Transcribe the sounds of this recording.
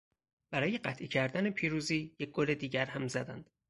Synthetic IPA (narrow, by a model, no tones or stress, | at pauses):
b̥æɾɒːje̞ɢæt̪ʰʔicʰæɾd̪ænepʰiːɾuːziːjec̚ɡole̞d̪iːɟæɾhæmzæd̪ænd̪̥